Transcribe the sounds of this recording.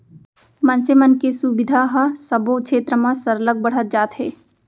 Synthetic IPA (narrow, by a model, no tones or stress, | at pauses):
mə̃nsemənkesubɪd̪ʱaɦɐsɐbõkʃʰeːt̪ɾəmãsəɾləɡ̚bəɽ̤ət̪̚d͡ʒaːt̪ɦeː